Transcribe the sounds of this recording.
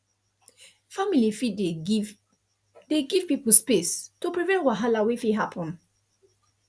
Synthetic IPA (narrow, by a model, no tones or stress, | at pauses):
familifi | deɡiv̥pipəl̩spestupɹivɛ̃nwaɦalawefiɦapʰə̃n